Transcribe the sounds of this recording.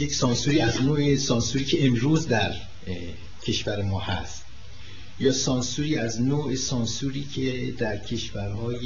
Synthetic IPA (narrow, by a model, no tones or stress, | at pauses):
jecsɒːnsuɾiːæznoːesɒːnsuɾiːcʰe̞emɾuːzd̪æɾ | cʰe̞ʃvæɾemɒːhæ̰st̪ | jɒːsɒːnsuɾiːæznoːʔesɒːnsuɾiːcʰed̪æɾcʰe̞ʃvæɾhɒːj